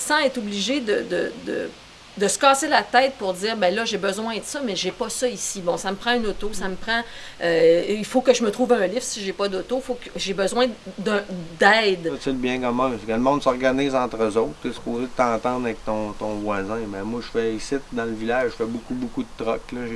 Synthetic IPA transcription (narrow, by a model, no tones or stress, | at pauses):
sãɛt̪ubliʒed̪əd̪əd̪ə̰ | d̪əsə̥kɑːselat̪ɛːt̪̚puʁd͡ziːʁbɛ̃lʌʒebəzwɛ̃d̪əsʌmɛʒepʌsɔisibɔ̃saməpʁɑ̃ynot̪osaməpʁɑ̃øilfokəʒəmət̪ʁuːvœ̃lɪfsiʒepʌd̪ot̪oifokʒebəzwɛ̃d̪ə̃d̪ɛɪd̪seləbjɛ̃kɔmãsekələmɔ̃d̪sɔʁɡaniːzɑ̃ːt̪ʁəzowt̪̚teskoːzed̪ət̪ɑ̃ːt̪ɑ̃d̪ʁaɛk̚t̪ɔ̃t̪ɔ̃vwazɛ̃bɛ̃mwaʒəfɛisɪt̪̚d̪ɑ̃ləvilaʒʒːəfɛbukubukud̪ət̪ʁɔklɐ